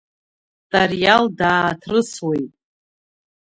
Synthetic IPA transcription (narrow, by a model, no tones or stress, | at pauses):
tʼarjaldaːtʰrɨswejtʼ